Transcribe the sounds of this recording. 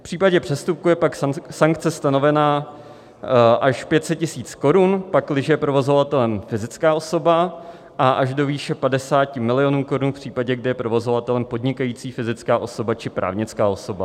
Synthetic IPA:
fpr̥iːpaɟɛpr̝̥ɛst̪up̚kujɛpaksaŋkt͡sɛst̪ano̞vɛnaː | ʔaʃpjɛt̪sɛt̪̚cɪsiːt͡sko̞ɾunpaklɪʒɛjɛpɾo̞vo̞zo̞vat̪ɛlɛmfɪzɪt͡skaːo̞so̞ba | ʔaʔaʒdo̞viːʃɛpadɛsaːcɪmɪlɪjo̞nuːko̞ɾunfpr̥iːpaɟɛɡdɪjɛpɾo̞vo̞zovat̪ɛlɛmpo̞dɲɪkajiːt͡siːfɪzɪt͡skaːʔo̞so̞bat͡ʃɪpɾʔa̰ːvɲɪt͡skaːʔo̞soba

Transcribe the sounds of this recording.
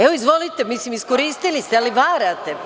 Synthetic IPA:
eʋoizʋo̞lit̪e̞misimiskoɾiːst̪ilist̪ealiʋaːɾat̪e

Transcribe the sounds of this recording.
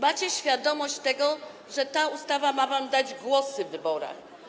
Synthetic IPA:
mat͡ɕɛɕfʲjad̪ɔmɔɕt͡ɕt̪ɛɡɔ | ʐɛt̪aust̪avamavamd̪ad͡ʑɡwɔsɘvːɘbɔɾa̰x

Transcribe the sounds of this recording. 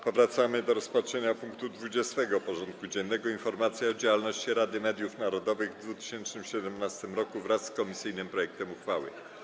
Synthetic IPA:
pɔvɾat̪samɘd̪ɔɾɔspatʂɛɲapuŋkt̪ud̪vud͡ʑɛst̪ɛɡɔpɔʐɔnt̪̚kud͡ʑɛnːɛɡɔinfɔɾmat̪sʲjɛɔd͡ʑawalnɔɕt͡ɕiɾad̪ɘmɛd̪ʲjufnaɾɔd̪ɔvɘɣvd̪vut̪ɘ̥ɕɛnt͡ʂnɘmɕɛd̪ɛmnast̪ɘmɾɔkuvɾasːkɔmʲisɘjnɘmpɾɔjɛk̚t̪ɛmuxfawɘ̰

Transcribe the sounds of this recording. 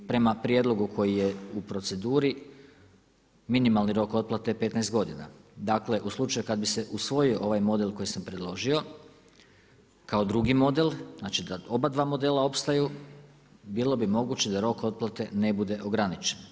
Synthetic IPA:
pɾe̞mapɾje̞d̪lo̞ɡukʰo̞jije̞upɾo̞t̪se̞d̪uːɾi | minimalˠniɾo̞ko̞t̪̚plˠat̪epe̞t̪najst̪ɡo̞d̪ina̰d̪akle̞ʔuslˠut͡ʃajukad̪̚bise̞ʔusʋo̞io̞ʔo̞ʋajmo̞d̪e̞lko̞jisampɾe̞d̪lˠo̞ʒio̞ | kao̞d̪ɾuɡimo̞d̪e̞lˠznaːt͡ʃid̪ao̞bad̪ʋaːmo̞d̪e̞ːlao̞pst̪aju | biːlˠo̞bimo̞ɡut͡ɕe̞d̪aɾo̞ko̞t̪̚plˠat̪e̞ne̞bud̪e̞ʔo̞ɡɾanit͡ʃen

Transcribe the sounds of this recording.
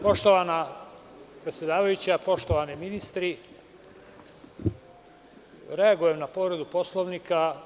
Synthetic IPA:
po̞ʃt̪oʋana | pɾe̞t̪sʲje̞d̪aːʋajut͡ɕapo̞ʃt̪oʋaniminist̪ɾi | ɾe̞aɡuje̞mnapo̞ʋɾed̪upo̞slˠoʋniːka

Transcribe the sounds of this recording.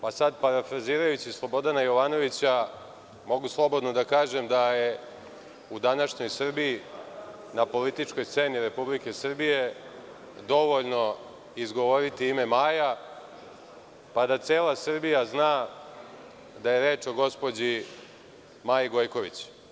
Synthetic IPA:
pasad̪paɾafɾaziːɾajut͡ɕislˠo̞bo̞d̪anajo̞ʋaːno̞ʋit͡ɕa | mo̞ɡuslˠo̞bo̞d̪nod̪akaːʒemd̪aje | ud̪anaʃɲo̞jsr̩bii | napo̞lit̪it͡ʂko̞jst̪seːniɾe̞publike̞sr̩bije̞ | d̪o̞ʋo̞ʎno̞ | izɡo̞ʋoɾit̪iime̞maːja | pad̪at̪seːlasr̩bijaznaː | d̪ajeɾe̞ːt͡ʃo̞ɡo̞spo̞d͡ʑi | majiɡo̞jko̞ʋḭt͡ɕ

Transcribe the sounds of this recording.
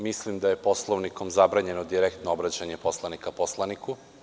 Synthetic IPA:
mislimd̪aje̞po̞slˠoʋniko̞mzabɾaɲe̞nod̪iɾekt̪noobɾat͡ɕaɲe̞po̞slˠanikapo̞slˠaniku

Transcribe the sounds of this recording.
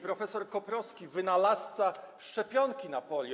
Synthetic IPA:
pɾɔfɛsɔɾkɔpɾɔskʲivɘnalast̪saʂt͡ʂɛpʲjɔŋkʲinapɔlʲj

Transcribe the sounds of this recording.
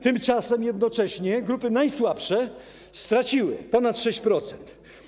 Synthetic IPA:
t̪ɘmt͡ʂasɛmjɛd̪nɔt͡ʂɛɕɲɛɡɾupɘnajswapʂɛ | st̪ɾat͡ɕiwɘ̰pɔnat̪ʂɛɕt͡ɕpɾɔt̪sɛnt̪

